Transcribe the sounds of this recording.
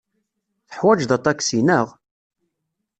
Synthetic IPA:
θə̥ħwæd͡ʒðɑt̪ˤːɑksinəʁ

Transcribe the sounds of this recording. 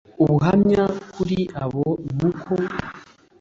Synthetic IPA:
uβuɦamɲakuɾiʔaβomukʰo

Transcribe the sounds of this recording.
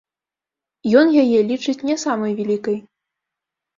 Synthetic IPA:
jɔnjajɛlʲit͡ʂɨt͡sʲnʲɛsamɐjvʲɛlʲikɐj

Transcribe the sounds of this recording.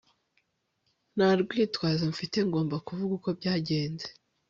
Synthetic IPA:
naɾɡwiːtwaːzaɱ̩fite̞ŋɡo̞ːmbakuvuɡuko̞bɟaːɟe̞ːnze

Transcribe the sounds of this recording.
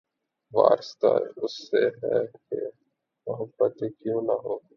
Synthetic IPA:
ʋa̰ːɾst̪a̰ʊsːeɦɛ̰kḛ | mʊɦəbːət̪ekjõːnɐɦoː

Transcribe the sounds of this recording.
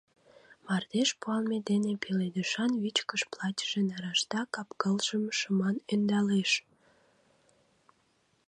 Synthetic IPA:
mɑrd̪eʃpuɑlmed̪enepeled̪əʃɑnvit͡ɕkəʃplɑtʲə̥ʒ̥enɑɾɑʃt̪ɑkɑpkəlʒəmʃəmɑnend̪ɑleʃ

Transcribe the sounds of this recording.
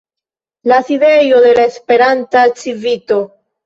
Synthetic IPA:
laside̞jo̞de̞laespe̞ɾantat͡ʃivito̞

